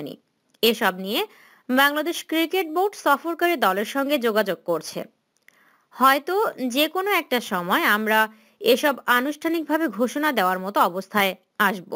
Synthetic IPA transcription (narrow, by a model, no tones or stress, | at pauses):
nḭ | eʃɔbnije | baŋlad̪eʃkɾikeʈ̚boɾʈsɔfoɾkaɾid̪ɔleɾʃɔŋɡed͡ʑoɡad͡ʑoɡ̚koɾt͡ɕʰḛ | hɔet̪od͡ʑekonoɛk̚ʈaʃɔmɔeamɾa | eʃɔbanuʃʈʰanik̚bʱabeɡʱoʃonad̪eoaɾmɔt̪oɔbost̪ʰae | aʃbo̰